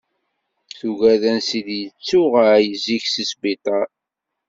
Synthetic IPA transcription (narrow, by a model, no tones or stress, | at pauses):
θuʝæðænsid̪jət͡sːuʁajəziçsisbit̪ˤɑ